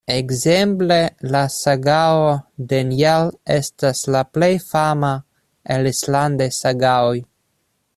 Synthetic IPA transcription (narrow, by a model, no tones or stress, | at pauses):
eɡzemple̞lasaɡaod̪enjelestaslaplejfama | elisland̪esaɡaoj